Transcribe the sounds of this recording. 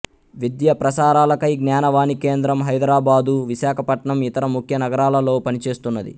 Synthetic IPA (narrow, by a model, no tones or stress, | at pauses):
ʋid̪jɐpɾɐsaːɾaːlɐkɐjɡnjaːnɐʋaːnike̞ːnd̪ɾɐmɦɐjd̪ɾaːbaːd̪uʋiʃaːkʰɐpɐʈɳɐmit̪ɐɾɐmukʰjɐnɐɡɐɾaːlɐlo̞ːpɐnit͡ʃe̞ːst̪unːɐd̪ḭ